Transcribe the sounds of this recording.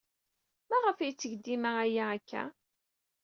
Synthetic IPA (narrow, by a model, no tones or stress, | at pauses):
mæʁəfijt͡sːəʝd̪ːimææjæækʰːæ̰